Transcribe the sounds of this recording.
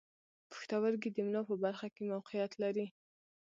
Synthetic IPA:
pə̥xt̪awəɾɡid̪əmnɑpəbaɾxakemawqijat̪laɾi

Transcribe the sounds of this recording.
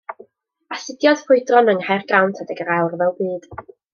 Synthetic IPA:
asɪdjɔd̥fʊɨdrɔnəŋharɡrawntʰədɛɡəɾawrvɛlˠbiːd̥

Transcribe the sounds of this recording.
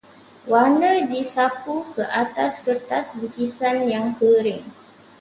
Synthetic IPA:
wanədisapukəʔat̪askərt̪asbukisanjaŋkəɾɪŋ

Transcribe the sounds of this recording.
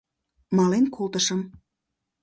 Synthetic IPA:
mɑlenkolt̪əʃəm

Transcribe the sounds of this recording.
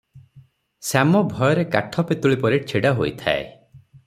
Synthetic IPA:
samɔbʱɔjɔɾekaʈʰɔpet̪uɭipɔɾet͡ʃʰiɽaɦojt̪ʰa̰ḛ

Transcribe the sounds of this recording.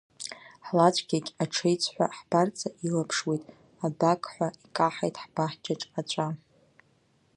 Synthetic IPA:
ħlat͡ʃʷʼɡʲakʲʼaʈ͡ʂʰejt͡sʷʼʰħʷa̰ħb̥art͡sʰʼaʔilapʰʂwejtʼ | abakʰʼħʷaikʼaħajtʼħb̥aħd͡ʒat͡ʃʼat͡ʃʷʼa

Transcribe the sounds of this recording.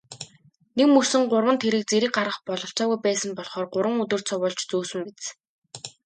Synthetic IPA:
nekmɵsɘ̆ŋɢʊrwə̆nt̪ʰeɾɘ̆k̚t͡seɾɘ̆k̚ɢaɾʁə̆χpɔɮɞ̆ɬt͡ɕaːɣujpæːsə̆mpɔɮχɔːrɢʊɾwə̆ŋɵt̪ɵ̆r̥t͡sʰɔwʊːɮt͡ɕt͡suːsɵ̆mpet͡s

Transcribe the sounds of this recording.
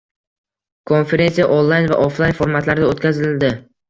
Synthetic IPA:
kʰo̞nfe̞ɾe̞nsijaʔonlˠajnva̰ʔoflˠajnfoɾmat̪laɾɪd̪aot̪kʲazɪlɪld̪ɪ

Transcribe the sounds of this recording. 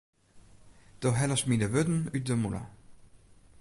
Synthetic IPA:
d̥oɦɛləsminəʋøtn̩yt̚dəmula̰

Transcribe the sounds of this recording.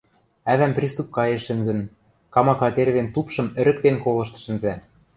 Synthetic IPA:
æβæmprʲist̪up̚kɑjeʃɘ̆nzɘ̆n | kɑmɑkɑt̪erβent̪upʃɤ̆mɘ̆ɾɘ̆k̚t̪enkolɤ̆ʃt̪ɤ̥̆ʃɘ̆nzæ

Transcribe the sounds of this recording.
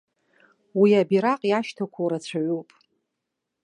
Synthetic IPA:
wiabiɾaqʼjaʃtʰakʷʰawɾat͡ɕʷʰaʕupʼ

